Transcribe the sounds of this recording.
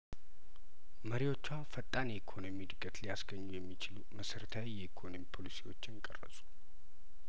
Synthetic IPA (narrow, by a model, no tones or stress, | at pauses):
məɾiwo̞t͡ʃːawfət̪ʼːanɛikʰo̞no̞mid̪ɨɡʼət̪lijasɡəɲːujɛmːit͡ʃɪluməsəɾət̪ʰawijɛikʰo̞no̞mipʰo̞lisiwo̞t͡ʃːɪnkʼə̰rːə̰sʼu̥